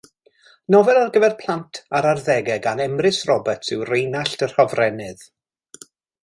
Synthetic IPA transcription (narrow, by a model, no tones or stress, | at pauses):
nɔvɛlˠarɡəvɛrpʰlˠantʰaɾarðɛɡɛɡanɛmrɪsrɔbətsɪwrejnaɬtər̥hɔvrɛnɨð